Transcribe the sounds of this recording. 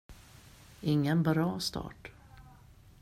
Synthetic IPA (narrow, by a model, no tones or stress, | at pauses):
ɪŋːənbɾɑːst̪ʰɑ̰ːʈ